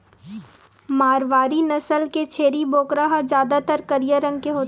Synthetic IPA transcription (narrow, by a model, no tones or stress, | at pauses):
maːɾʋaːɾinɐsəlket͡ʃʰeːɾiboːkɾaɦad͡ʒjaːd̪at̪əɾkɐɾijəɾə̃ŋɡ̚keɦoːt̪